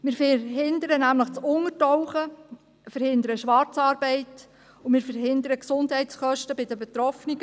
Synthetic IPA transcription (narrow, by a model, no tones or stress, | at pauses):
mɪːɾfɛɦɪnd̪əɾənæmləχt͡sʊŋətɔwχə | fəɾhɪnd̪əɾəʃʋɑɾt͡sɑːɾbɛɪt | ʊmɪːɾfəɾɦɪnd̪əɾəksʊndhɛɪtsχœʃtəbɪdəbɛt̪ɾɔfniɡ